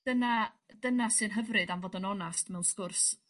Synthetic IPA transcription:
d̥əna | dənasɨnɦəvrɨdamvoːdənɔnastmɛwnskʊrs

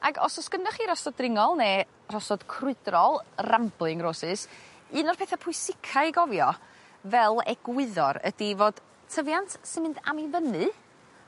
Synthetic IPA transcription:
a̰ɡɔ̰sɔskənʊχiɾɔsɔdrɪŋɔlˠneː | r̥ɔsɔd̥kʰrʊɨdrɔlˠramb̥lˠɨŋroːsɨs | ɨːnɔr̥pʰeːθapʰʊɨsɪkʰaɨɡɔvjɔ | vɛlˠɛ̰ɡ̥wɪðɔɾə̰d̥ivoːd̥ | tʰəvjantʰsɪnmɪnda̰mivənɨ

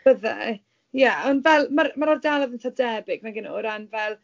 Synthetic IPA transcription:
bəða̰ | jaɔndvɛlˠmaɾmaɾɔrdalˠaðɪnθʰadɛbɪɡnaɡənɔɾanvɛlˠ

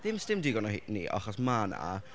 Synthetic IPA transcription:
ðɪmstɪmdɪɡɔnɔhḭːnḭːʔɔ̰χɔsmana̰

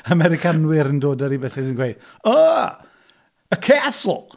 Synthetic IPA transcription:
amɛɾɪkʰanwɪɾəndoːdəɾibɛsɪsənɡwejd̥ | oː | əkʰeasq

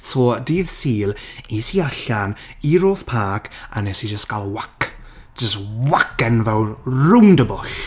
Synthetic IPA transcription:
sɔːdiːðsiːlˠisiaɬaniɾoːθpʰaːkʰa̰nɛsid͡ʒəstɡ̥ʰalˠwak | d͡ʒ̥əstwakɛnvɛwrʊndəbʊɬ

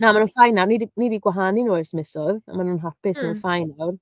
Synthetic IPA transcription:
naːmanunfajnawnidinidiɡwaɦaninuːɛrsmɛsɔða̰manunɦapɪsmanunfajnawr

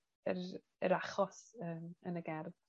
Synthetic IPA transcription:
ər | əɾaχɔsəːmənəɡɛrv

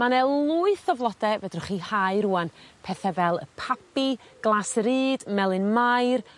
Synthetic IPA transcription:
manɛlˠʊɨθɔvlˠɔdɛvɛdrʊχihaɨɾuːanpʰɛθɛvɛlˠə̰pʰapiɡ̥lˠasəɾiːd̥mɛlˠɨnmajr

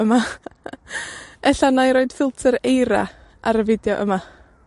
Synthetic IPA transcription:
əma | ɛɬanajɾoɨd̥fɪlˠtʰəɾejɾa̰ | ʔaɾəvɪdjɔʔə̰ma

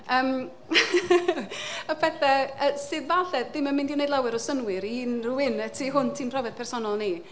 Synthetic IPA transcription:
əːm | ɔpʰɛθɛəsɨðvaɬɛðɪmːənmɪndinejdˡlˠawɨɾɔsənwɨɾinruwɪnətʰiɦʊntʰimpʰr̥ɔvɛð̥pʰɛrsɔnɔlˠni

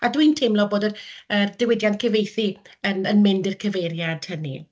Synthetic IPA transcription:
adwiːntʰɪmlɔboːdərərd̥ɪwɪdjantkʰəvejθiənənmɪndɪrkʰəvejɾjad̥hənḭ

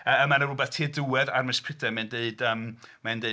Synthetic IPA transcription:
əəmanərʊbɛθtʰiːduwɛðarmɛspʰɪdɛmɛndeɨd̥əːmmɛndeɨ

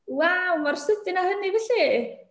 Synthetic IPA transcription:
wawmarsəd̪ɪnahənivɪɬi

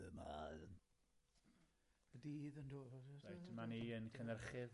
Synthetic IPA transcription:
ma̰ | bədiːðəndoːvajtʰəmaniənkʰənrχɨð

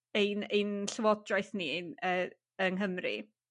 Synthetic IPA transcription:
ejnenɬəwɔdrajθninəː | ənɦəmrḭ

